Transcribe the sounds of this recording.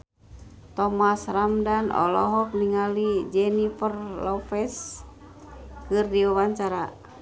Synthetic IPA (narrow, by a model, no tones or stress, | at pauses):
t̪ɔmasramdanɔ̰lɔɦɔp̚niŋalid͡ʒɛnifərlɔfɛs | kɨrdiuwaɲt͡ʃaɾa